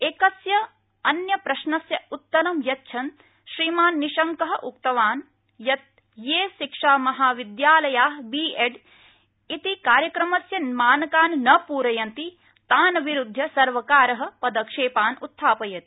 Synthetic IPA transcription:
eːkɐsjɐ | ɐnjɐpɾɐʃnɐsjɐut̪ːɐnɐmjɐtːt͡ʃʰɐn | ʃɾiːmaːnːiʃɐŋkɐɦɐ̆ʔukt̪ɐʋaːn | jɐt̪̚ | jeːʃikʂaːmɐɦaːʋid̪jaːlɐjaːɦbiːeɖ | it̪ikaːɾjɐkɾɐmɐsjɐmaːnɐkaːnnɐpuːɾɐjɐnt̪i | t̪aːnɐʋiɾud̪ʱjɐsɐɾʋɐkaːɾɐɦɐ̆pɐd̪ɐkʂeːpaːnut̪ʰːaːpɐjɐt̪i̥

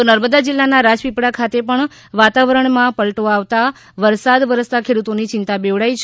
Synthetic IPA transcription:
t̪onəɾməd̪ad͡ʒɪlːanaɾad͡ʒpipɽakʰat̪epəɳ | ʋat̪aʋəɾəɳmãpəɭʈ̪oaʋt̪a | ʋəɾsad̪ʋəɾəst̪akʰeɽut̪onit͡ʃɪnt̪abeʋɭajt͡ʃʰ

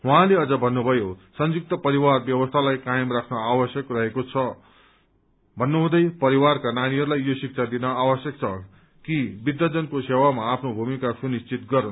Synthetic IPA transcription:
ɦwãleʌd͡zʌbʱʌnːubʱʌjosʌnjuk̚t̪ʌpʌɾiwarbjʌwʌst̪ʰalajkajemrakʰnʌawʌsjʌkrʌɦekot͡sʰʌ | bʱʌnːuɦũd̪ʌjpʌɾiwarkanaɽ̃iɦʌɾulajːosik̚t͡sʰad̪inʌawʌsjʌk̚t͡sʰʌ | kibid̪ːʌd͡zʌnkosewamaːpʰnobʱumikasunist͡sit̪ɡʌɾʌn

